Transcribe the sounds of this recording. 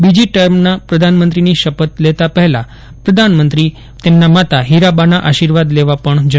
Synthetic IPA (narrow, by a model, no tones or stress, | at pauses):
bid͡ʑiʈəɾmnapɾəd̪ʱanmənt̪ɾiniːɕəpət̪let̪apəɦla | pɾəd̪ʱanmənt̪ɾiː | t̪emnamat̪aɦiɾabanaʔaɕiɾʋad̪leʋapəɳd͡ʑə